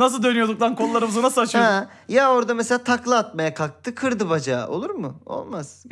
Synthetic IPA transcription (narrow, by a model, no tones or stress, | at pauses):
nas̬ɯlˠd̪ø̞nyjod̪uklˠaɾnkʰolˠulːˠaɾɯmɯzɯnasɯlˠat͡ʃʰɯã | jao̞ɾd̪ameseaːt̪ʰaklˠaat̪̚majakʰak̚t̪ʰɯkʰɯɾd̪ɯbad͡ʒaːʔo̞̰lˠuɾmʊo̞̰lˠmaz̥